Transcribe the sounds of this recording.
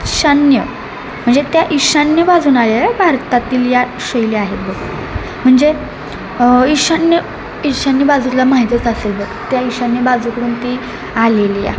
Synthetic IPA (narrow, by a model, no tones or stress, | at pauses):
ɕanjə | m̤əɳd͡zet̪jaʔiɕanjəbad͡zuːnajebʱaɾt̪at̪iːlja | ɕəjleaɦet̪̚bəɡ̚ | m̤əɳd͡ze | iɕanjə | iɕanːjəbad͡zuːt̪ːlamaɦit̪ət͡saselbəɡt̪jaiɕanːjəbad͡zuːkəɽuːnt̪i | alelija̰